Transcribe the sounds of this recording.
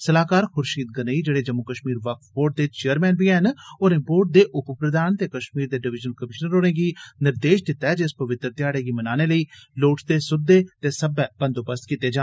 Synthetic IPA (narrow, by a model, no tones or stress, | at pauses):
səlaːkaːɾxʊɾʃiːt̪̚ɡənəiːd͡ʒeːɽeːd͡ʒəmːukəʃmiːɾʋəkboːɾʈ̚d̪eːt͡ʃeːəɾmɛːnbiːɛːnonẽːboːɾʈ̚d̪eːʔʊppɾəd̪aːnt̪eːkəʃmiːɾd̪eːɖɪʋɪd͡ʒənəlkəmɪʃnəɾoːɽẽːɡiːnɪɾd̪eːʃd̪ɪt̪ːɛːd͡ʒɪspəʋɪt̪ːɾd̪jaːɽeːɡiːmənaːneːləiːloːʈt̪eːsʊd̪ːeːt̪eːsəbɛːbə̃nd̪oːpəst̪kit̪ːeːd͡ʒaː